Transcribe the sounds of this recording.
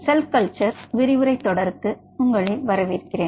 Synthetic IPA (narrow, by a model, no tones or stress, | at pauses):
sɛlkɐlt͡ʃɐɾʋɪɾɪʋɯɾɐɪt̪ːɔɽɐɾkːɯ | ʊŋɡɐɭeʋɐɾɐʋɪɾɯkːɪreːn